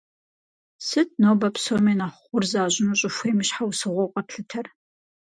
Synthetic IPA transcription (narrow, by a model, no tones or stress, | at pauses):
sɨt̚ʰʼnoːbɐpʰsomenaχʷʊrzaːʑʷɪnuɕʼʊʃʷeːmiɕħawsɨʁʷɔqʼɐpɬɨtʰɐr